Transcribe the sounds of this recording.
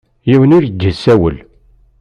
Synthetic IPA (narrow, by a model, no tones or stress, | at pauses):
jiwənʊɾɡːəsæwə̰l